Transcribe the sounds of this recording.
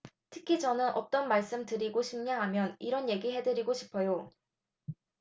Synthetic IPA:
tʰɯ̥kʰid͡ʑʌnɯnʔʌt͈ʌnmaɭs͈ɯmtɯɾiɡoɕʰimɲaŋɦamjʌniɾʌnje̞ɡiɦe̞dɯɾiɡoɕʰi̥pʰʌjo

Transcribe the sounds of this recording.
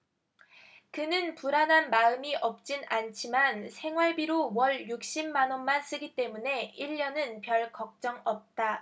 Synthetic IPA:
kɯnɯnpuɾanɦanmaɯmiʔʌp̚t͡ɕ͈inant͡ɕʰimansʰe̞ŋwaɭbiɾowʌɭjuk̚ɕ͈imːanʌnmans͈ɯɡit͈e̞mune̞iʎːʌnɯnpjʌɭkʌk̚t͡ɕ͈ʌŋʌp̚t͈a

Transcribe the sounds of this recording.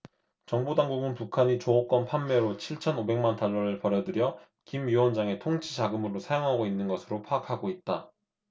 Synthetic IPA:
t͡ɕʌŋbodaŋɡuɡɯnpukʰaɲit͡ɕoʌk͈ʌnpʰanːeɾot͡ɕʰiɭt͡ɕʰʌnobe̞ŋmantaɭːʌɾɯɭpʌɾjʌdɯɾjʌ | kimjiwʌnd͡ʑaŋe̞tʰoŋt͡ɕʰid͡ʑaɡɯmɯɾosʰajoŋɦaɡoinːɯnɡʌsʰɯɾopʰaːkʰaɡoit̚t͈a

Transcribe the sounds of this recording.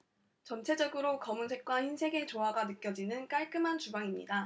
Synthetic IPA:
t͡ɕʌnt͡ɕʰe̞d͡ʑʌɡɯɾokʌmunsʰe̞k̚k͈waçinsʰe̞ɡe̞t͡ɕoɦaɡanɯk͈jʌd͡ʑinɯnk͈aɭk͈ɯmɦant͡ɕubaŋimɲḭda

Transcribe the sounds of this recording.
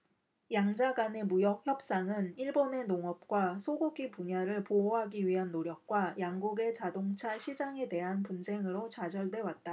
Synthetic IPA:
jaŋd͡ʑaɡane̞mujʌk̚çjʌp̚s͈aŋɯniɭbone̞noŋʌp̚k͈wasʰoɡuɡipuɲaɾɯɭpooɦaɡiɥiɦanːoɾjʌk̚k͈wajaŋɡuɡe̞t͡ɕadoŋt͡ɕʰaɕʰid͡ʑaŋe̞de̞ɦanpund͡ʑe̞ŋɯɾot͡ɕad͡ʑʌɭdwe̞wat̚t͈a

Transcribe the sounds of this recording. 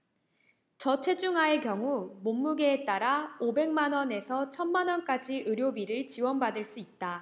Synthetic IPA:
t͡ɕʌt͡ɕʰe̞d͡ʑuŋɦaekjʌŋumomːuɡeːt͈aɾaobe̞ŋmanwʌne̞sʰʌt͡ɕʰʌnmanwʌnk͈ad͡ʑiʔɯɾjobiɾɯɭt͡ɕiwʌnbadɯɭs͈uit̚t͈a

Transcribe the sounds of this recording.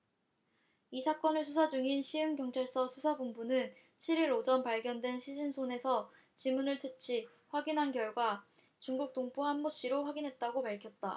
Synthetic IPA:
isʰak͈ʌnɯɭsʰus̬ʰad͡ʑuŋinɕʰiɯŋkjʌŋt͡ɕʰaɭs͈ʌsʰusʰabumbunɯn | t͡ɕʰiɾiɾod͡ʑʌnpaɭɡjʌndwe̞nɕʰid͡ʑinsʰone̞sʰʌ | t͡ɕimunɯɭt͡ɕʰet͡ɕʰi | ɸwaɡinɦankjʌɭɡwa | t͡ɕuŋɡuk̚t͈oŋpuɦamːoɕ͈iɾoɸwaɡinɦe̞t̚t͈aɡopaɭkʰjʌt̚t͈a̰

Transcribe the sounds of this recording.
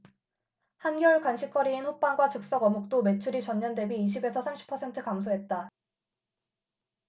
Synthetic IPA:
hanɡjʌɭkwanɕʰik͈ʰʌɾiːnɸop͈aŋɡwat͡ɕɯk̚s͈ʌɡʌmuk̚t͈ome̞t͡ɕʰuɾit͡ɕʌɲːʌndwe̞biːɕ̬ʰibe̞sʰʌsʰamɕʰi̥pʰʌsʰe̞ntʰɯkams̬ʰoɦe̞t̚t͈a

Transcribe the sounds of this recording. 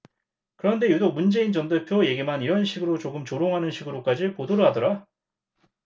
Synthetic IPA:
kɯɾʌnde̞judoŋ̚mund͡ʑe̞int͡ɕʌndepʰjoje̞ɡimaniɾʌnɕʰiɡɯɾot͡ɕoɡɯmt͡ɕoɾoŋɦanɯnɕʰiɡɯɾok͈ad͡ʑipodoɾoɦadʌɾa

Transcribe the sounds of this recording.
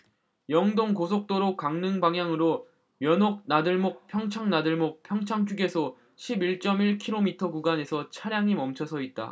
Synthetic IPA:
jʌŋdoŋkosʰok̚t͈oɾokk͈aŋnɯŋbaŋɦjaŋɯɾo | mjʌnok̚nadɯɭmok̚pʰjʌŋt͡ɕʰaŋnadɯɭmok̚pʰjʌŋt͡ɕʰaŋt͡ɕʰuɡe̞sʰʌ | ɕʰibiɭt͡ɕ͈ʌmiɭkʰiɾomitʰʌɡuɡane̞sʰʌt͡ɕʰaɾjaŋimʌmt͡ɕʰʌsʰʌit̚t͈a̰

